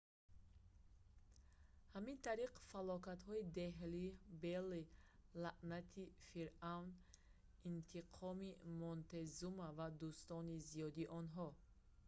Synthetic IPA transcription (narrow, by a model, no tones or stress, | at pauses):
hamint̪ʰaɾiqfalɔkat̪hɔid̪eɦlibelːilaʔnat̪ʰifiɾawn | int̪ʰiqʰɔmimɔnt̪ezumavad̪ust̪ɔnizijɔd̪iʔɔnɦɔ